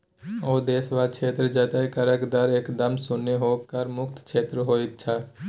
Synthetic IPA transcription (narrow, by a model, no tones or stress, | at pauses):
oːd̪eːsʋaːd̪̚t͡ʃʰeːt̪ɾəd͡ʒət̪aikəɾəkd̪əɾeːkd̪əmsʊnːeɦoːkəɾmʊk̚t̪ʰkʰeːt̪ɾɦoːɪt̪t͡ʃʰaː